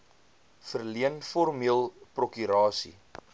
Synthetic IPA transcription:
fərliənfɔrmiəlˠprokyɾɑːsḭ

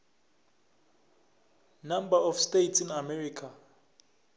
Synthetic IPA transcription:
nambaɔfstetsinamɛrikʰa

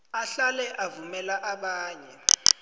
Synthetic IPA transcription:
aɬalɛʔavumɛlaʔaɓaːɲɛ

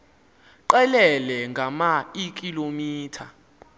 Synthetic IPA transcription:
ǃɛlɛlɛŋɡʱamaik̬ʼilomiːtʰa

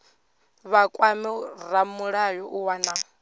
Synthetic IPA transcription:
βakʼwamɛramuɺajɔʔuwana

